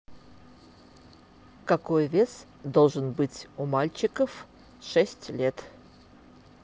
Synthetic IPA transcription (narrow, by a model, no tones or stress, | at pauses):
kɐkojvʲe̞s | d̪olˠʐɨnbɨtʲʊmalʲt͡ɕɪkəf | ʂɛsʲtʲlʲet̪